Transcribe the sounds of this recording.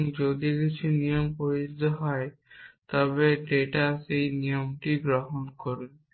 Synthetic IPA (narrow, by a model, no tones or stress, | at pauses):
ŋd͡ʑod̪ikit͡ɕʰunijompoɾiid̪ʱoɦɔet̪ɔbeɖeʈasejnijomʈiɡɾoɦonkoɾun